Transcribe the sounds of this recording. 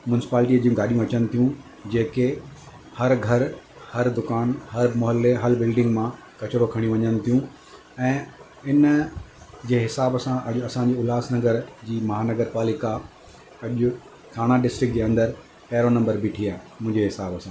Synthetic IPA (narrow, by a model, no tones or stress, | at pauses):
mʊnɪsɪ̥paːlʈ̬iɐd͡ʑijũɡaːɗijũɐt͡ɕənɪ̆t̪ʰijũ | d͡ʑeːke | hɐɾɡʱɐɾ | hɐɾd̪ʊkaːnɦɐɾmʊɦəlːeɦɐlbɪlɖɪ̃ŋɡmã | kɐt͡ɕɾokʰɐɽ̃iũʋɐɲənɪ̆t̪ʰijũ | ɛ̃ː | ɪn | d͡ʑeːɦɪsaːbsãʔɐʄʊɐsãɲd͡ʑeʊlaːsnɐɡəɾd͡ʑiːmɐɦaːnɐɡəɾpaːlɪka | ɐʄʊ | kʰaːɽ̃aɖɪsʈɾɪk̚d͡ʑeːɐ̃nd̪əɾ | pɐɦɪɾonɐ̃mbəɾbʱɪʈʰiːaːɪmʊ̃ɦɪ̃ɲd͡ʑeɦɪsaːbsã